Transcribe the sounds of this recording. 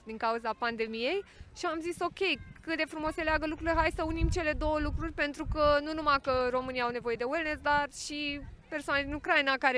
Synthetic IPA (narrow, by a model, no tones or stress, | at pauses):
d̪iŋkauzapand̪e̞mije̞jʃiamziso̞kʲe̞jkɨt̪̚d̪e̞fɾumo̞seleaɡəlukɾuleɦajsəunimt͡ʃe̞le̞d̪o̞wəlukɾurʲpe̞nt̪ɾukənunumakəɾo̞mɨnijawnevo̞je̞d̪e̞uelnesd̪arʃipe̞rsoaned̪inukɾainakaɾe